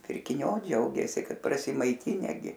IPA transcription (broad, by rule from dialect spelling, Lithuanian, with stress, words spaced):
pʲɪrʲkʲɪˈnʲʊ ˈd͡ʒʲɛʊɡʲeːsʲɪ ˈkɐt prɐsʲɪmɐɪˈtʲɪnʲɛ ˈɡʲɪ